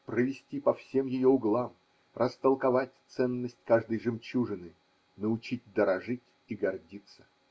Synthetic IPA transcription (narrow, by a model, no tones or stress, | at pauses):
pɾəvʲɪsʲtʲipɐfsʲe̞mjɪjoʊɡlˠam | rʔəst̪əlˠkɐvatʲt̪sɛnːəsʲtʲkaʐd̪əjʐɨmt͡ɕuʐɨnɨ | nəʊt͡ɕit̚ʲd̪əɾɐʐɨtʲ | iɡɐrdʲit̪sə̥